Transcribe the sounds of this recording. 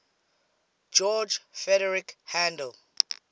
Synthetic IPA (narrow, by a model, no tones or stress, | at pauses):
d͡ʒɔd͡ʒfɛɾɛɹikhãndɛl